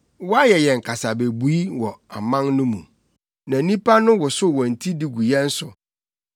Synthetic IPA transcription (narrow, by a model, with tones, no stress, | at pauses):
wɔ˦a˦jɛ˨jɛ̃˨ŋ̩˨kʰa˨sa˨be˨bu˨˦i˦wɔ˨a˨mã˦nnʊ̃˦mṵ̃˨ | nã˨˦nĩ˦pa˦nʊ̃˦wɔ˨sʊ˦˨wɔ̃˨n̩˨tʰi˦di˨ɡu˨jɛ̃˦n̩˦sʊ˨